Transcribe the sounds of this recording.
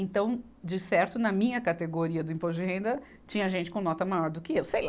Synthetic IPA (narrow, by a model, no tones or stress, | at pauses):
ẽnt̪ɐ̃w̃ | d͡ʒɪsɛɾt̪ʊnɐmĩɲɐkat̪eɡoɾiɐd̪ʊĩpozʒɪɦẽnd̪ɐ | t͡ʃĩɲɐʒẽnt͡ʃɪ̥kõnɔt̪ɐmajɔɾd̪ʊkɪewsejl